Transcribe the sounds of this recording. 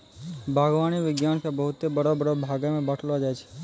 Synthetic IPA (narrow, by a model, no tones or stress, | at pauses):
bʱaɡʋaniʋɪɡjankebəɦʊt̪ebəɽobəɾobʱaɡemẽbəʈʰlʋad͡ʒajt͡ʃʰe̥